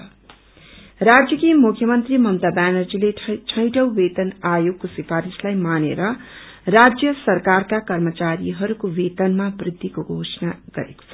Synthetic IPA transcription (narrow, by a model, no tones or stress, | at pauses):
rad͡zjʌkimukʰjʌmʌnt̪rimʌmt̪abanʌrd͡zileʈʰʌjʈʌwbet̪ʌnajoɡ̚kosifaɾislajmanḛɾʌ | rad͡zjʌsʌrkarkakʌrmʌt͡saɾiɦʌɾukowet̪ʌnmabrid̪ʱːikoɡʱosʌnaɡ̥ʌ̰ɾḛko̥t͡sʰʌ